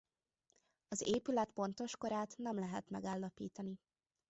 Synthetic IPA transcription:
ɒzeːpylɛt̪po̞nt̪o̞ʃko̞ɾaːt̪nɛmlɛɦɛt̪mɛɡaːlːɒpiːt̪ɒni

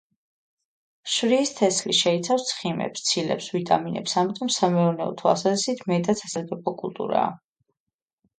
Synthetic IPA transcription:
ʃvɾiːst̪ʰɛslḭʃɛit̪sʰafst̪sʰχimɛ̰pst̪sʰilɛ̰psvit̪ʼaminɛ̰psamit̪ʼɔmsamɛɔɾnɛɔ̰t̪ʰɔa̰sazɛsit̪ʰmɛt̪ʼasʰasaɡ̪ʼɛpʰɔkʼṵlˠt̪ʼṵɾa̰ː

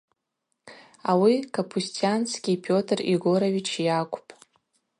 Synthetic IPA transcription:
awikʰapʰustʰianskʲipʰo̞tʰriɡo̞ɾeɥʲit͡ʃʰjakʷʰʼʊpʼ

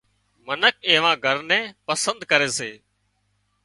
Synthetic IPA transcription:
mənək̚eːʋãːɡʱəɾnɛ̃ːpəsə̃nd̪kəɾeːseː

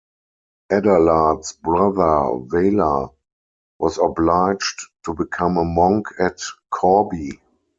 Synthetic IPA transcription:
ʔɛdəladsbɹaðə˞veɪla̰ | wɔzɔblaɪd͡ʒttːubikʰãməmãŋkʰɛtkʰɔbi

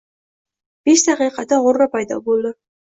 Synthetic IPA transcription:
b̥eʃt̪ɑqijqɑt̪ɑʁoɾɾɑpɑjd̪ɑ̰bolˠd̪ɪ

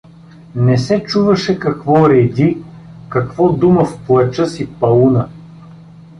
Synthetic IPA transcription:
nɛsɛt͡ʃuvɐʃɛkɐkvɔɾɛd̪ʲi | kɐkvɔd̪uməfplˠɐt͡ʃəsipɐlunə

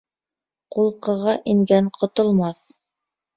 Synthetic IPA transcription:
qulˠqɤ̆ʁɑʔiŋɡæŋqʰŏt̪ŏlˠmɑθ

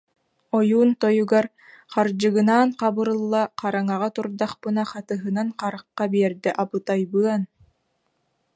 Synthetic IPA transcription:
ɔjuːnt̪ɔjuɡaɾ | qaɾd͡ʑɯɡɯnaːnqabɯɾɯlˠːaqaɾaŋaʁat̪uɾd̪aχpɯnaχat̪ɯɦɯnanqaɾaqːabiɛɾd̪ɛʔapɯt̪ajbɯɐn

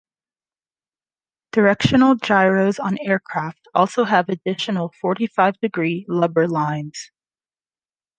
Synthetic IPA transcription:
d̥ə˞ɛkʃɨnl̩ˠd͡ʒaɪɹoʊzn̩ɛɹkʰɹ̥æftɔlˠsoʊɨvɨdɪʃɨn̩l̩ˠfɔɹɾifaɪvdɨɡɹilʌbə˞lãɪ̃nz̥

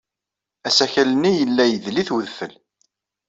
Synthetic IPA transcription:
æsæçælənːijəlːæjəðliθwəðfəl

